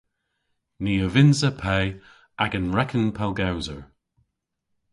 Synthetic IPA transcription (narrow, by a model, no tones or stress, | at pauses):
niːəvɪnzəpʰɛj | ʔaɡənɹɛkʰənpʰalˠɡawzəɹ